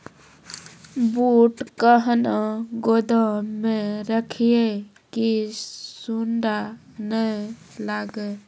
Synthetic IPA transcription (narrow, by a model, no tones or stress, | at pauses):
buːʈkəɦnaɡod̪əmẽɾəkʰije | kisuɳɖa | nə | laːɡe